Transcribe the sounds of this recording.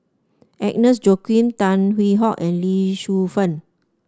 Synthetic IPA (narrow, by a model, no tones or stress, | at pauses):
ʔɛk̚nəsd͡ʒokĩnt̪ãnwiɦɔʔɛ̃nliʃufə̃n